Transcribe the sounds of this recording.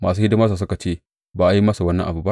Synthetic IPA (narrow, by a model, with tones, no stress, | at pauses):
maː˨s̬uː˦hɪ˦dɪ˦ma˦s̬aː˨s̬ʊ˦ka˨t͡ʃeː˦˨ | baː˨ʔa˨˦ji˦mɐ˦sa˨wɐ˦nːɐ̰˦ŋʔa̰˨bu˨˦ba˦ʔ